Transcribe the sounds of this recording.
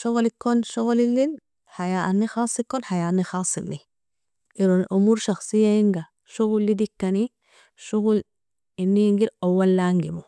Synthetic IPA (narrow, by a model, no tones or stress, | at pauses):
ʃuɣlikːonʃuɣlilːin | ħajaʔanːixɑːsˤikːonħajaːʔnːixɑːsˤilːi | ʔiɾonʔumuːɾʃɑxsˤijːajiŋɡa | ʃuɣulːid̪ikːani | ʃuɣul | inːiŋɡiɾawːalːaŋɡimu